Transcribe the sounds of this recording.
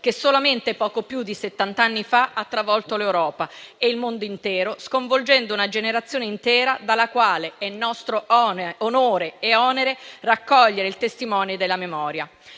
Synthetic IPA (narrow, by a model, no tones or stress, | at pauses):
k̟esolament̪epɔːkopjud̪ːiset̪ːant̪anːifaat̪ːɾavɔlt̪olewɾɔːpaeilmond̪oint̪ɛːɾoskoɱvold͡ʒɛnd̪ounad͡ʒeneɾat̪sːjoːneint̪ɛːɾad̪alːakwaːleɛnːɔst̪ɾoɔonoːɾeːɔːneɾerakːɔʎːeɾeilt̪est̪imɔːnjod̪elːamemɔːɾja